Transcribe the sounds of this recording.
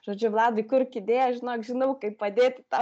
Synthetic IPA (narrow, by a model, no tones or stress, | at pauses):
ʒ̥oːd͡ʒʲʊlˠɑːd̪ɐɪkʊrkʲɪd̪ʲeːjɛʒʲɪnoːkʒʲɪnɐʊkɐɪppɐd̪ʲeːt̪ʲɪt̪ɑ